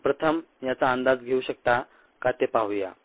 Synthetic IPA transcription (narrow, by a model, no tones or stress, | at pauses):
pɾət̪ʰəmjat͡saənd̪ad͡zɡʱeuɕək̚t̪a | kat̪epaʋuja̰